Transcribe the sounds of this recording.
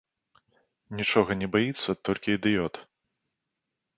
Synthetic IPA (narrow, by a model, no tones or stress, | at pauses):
nʲit͡ʂɔɣɐnʲɛbajit̪sːɐt̪ɔlʲkʲiːd̪ɨjɔt̪